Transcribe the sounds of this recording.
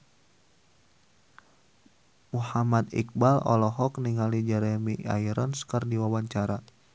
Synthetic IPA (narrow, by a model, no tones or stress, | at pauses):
muhamat̪ḭk̚balɔ̰lɔɦɔkniŋalid͡ʒɛɾɛmia̰iɾɔnskərdiwawaɲt͡ʃaɾa